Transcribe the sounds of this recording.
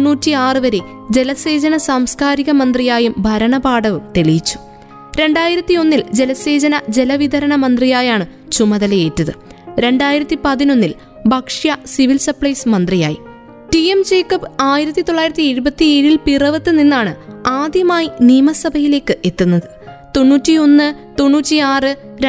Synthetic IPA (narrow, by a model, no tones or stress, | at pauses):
unːuːtːiaːrɨʋɐɾe̞ | d͡ʑe̞lɐse̞ːd͡ʑɐnɐsaːmskaːɾiɣɐmɐnd̪rijaːjumbʱɐɾɐɳɐbaːɽɐʋumt̪e̞ɭijit͡ɕːu̥ | ɾe̞ɳɖaːjiɾɐt̪ːio̞nːild͡ʑe̞lɐse̞ːd͡ʑɐnɐd͡ʑe̞lɐʋid̪ʱɐɾɐɳɐmɐnd̪rijaːjaːɳɨt͡ɕumɐðɐlejeːtːɐðɨɾe̞ɳɖaːjiɾɐt̪ːipɐðino̞nːil | bʱɐkʂjɐsiʋilsɐpɭɐjsmɐnd̪rija̰ːjḭ | ʈiemt͡ɕeːkːɐpaːjiɾɐt̪ːit̪o̞ɭːaːjiɾɐt̪ːiiɻubɐt̪ːieːɻilpirɐʋɐt̪ːɨninːaːɳɨaːd̪jɐmaːjiniːmɐsɐbʱɐjile̞ːkːɨʔe̞t̪ːunːɐðɨ | t̪o̞nːuːtːio̞nːɨt̪o̞nːuːtːiaːrɨ | ɾ